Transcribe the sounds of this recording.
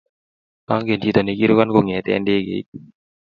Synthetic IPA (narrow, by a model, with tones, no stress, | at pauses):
ka˦ŋke˨nd͡ʒi˨t̪ə˨ni˨˧ki˦ɾo˦ka˦nko˨ŋɛ̃ː˨t̪ɛ̰ː˦nɖeː˦ɡḛ˨˦